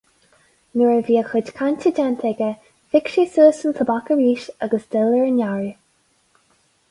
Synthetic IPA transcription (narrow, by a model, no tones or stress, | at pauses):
nəɹəviːəxədkʰantʰəd͡ʒant̪ʰɛɡə | fɪkʃisəːsənt̪ʰəbakəɹiːʃaɡəsd̪ɛləɹnaɹi